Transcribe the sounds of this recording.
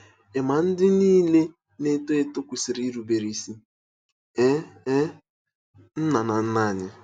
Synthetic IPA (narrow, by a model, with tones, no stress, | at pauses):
e˨ma˨n̩˦dɪ˦niː˦le˦ | ne˦to˦e˦tʊ˦kʷu˨sɪ˨ɾi˦i˦ɾu˨be˨ɾi˦si˦ | e˦ | n̩˦na˨na˨n̩˦na˦˨ɲɪ˦